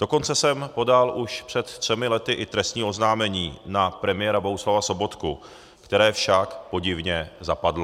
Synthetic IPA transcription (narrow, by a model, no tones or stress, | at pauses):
d̥o̞ko̞nt͡sɛsɛmpo̞dalʔuʃpr̝̥ɛt̪t̪r̥ɛmɪlɛt̪ɪʔɪt̪ɾɛst̪ɲiːʔo̞znaːmɛɲiːnapɾɛmɪjɛːɾabo̞ɦuslavaso̞bo̞t̪ku | kt̪ɛɾɛːfʃakpo̞ɟɪvɲɛzapadlo